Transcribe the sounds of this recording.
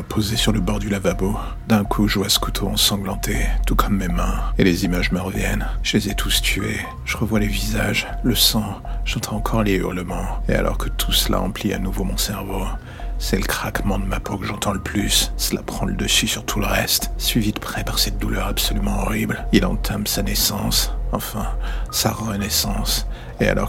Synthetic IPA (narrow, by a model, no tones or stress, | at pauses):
apʰozesyʁləbɔʁd̪ylavabo | d̪ɛ̃kʰuʒuasə̥kut̪ʰoɑ̰̃sɑ̃ɡlɑ̃t̪ʰet̪ukʰɔmːemɛ̃elezimaʒməʁəvjɛnʒ̥əlezɛt̪ʰust̪ʰye | ʒ̥əʁəvwalevizaʒləsɑ̃ʒ̥ɑ̃t̪ʰɑ̃ɑ̃kʰɔʁley̰ʁləmɑ̃ea̰lʔɔ̰ʁkə̥t̪ʰu̥səla̰ɑ̰̃plia̰nuvomɔ̃sɛʁvo | sɛləkχakmɑ̃d̪əmapʰokəʒɑ̃t̪ɑ̃ləplyssəla̰pχɑ̃ləd̪əsysyʁt̪ʰuləʁɛst̪sɥivid̪əpχɛpaʁsɛt̪̚d̪ulœʁapsɔlymɑ̃ɔʁiblilɑ̰̃t̪ʰamsanɛsɑ̃sɑ̃fɛ̃saʁənɛsɑ̃s | ea̰lʔɔ̰